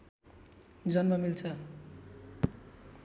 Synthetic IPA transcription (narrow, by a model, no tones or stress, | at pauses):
d͡zʌnmʌmilt͡sʰʌ